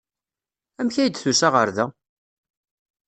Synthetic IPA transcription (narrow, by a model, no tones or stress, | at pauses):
æmçæjəd̪θusaʁə̰ɾðæ